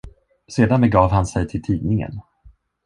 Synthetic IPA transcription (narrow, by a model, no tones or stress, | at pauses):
seːd̪anbɛɡɑːvhansɛjt̪ʰɪlt̪ʰiːnɪŋə̰n